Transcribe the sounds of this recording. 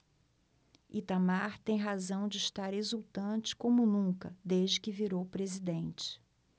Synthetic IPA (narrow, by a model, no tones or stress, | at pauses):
it̪amaɾt̪ẽj̃ɦazɐ̃w̃d͡ʒɪʃt̪aɾezuwt̪ɐ̃t͡ʃɪ̥kõmʊnũkɐd̪eʒd͡ʒɪkɪviɾowpɾezid̪ẽnt͡ʃɪ̥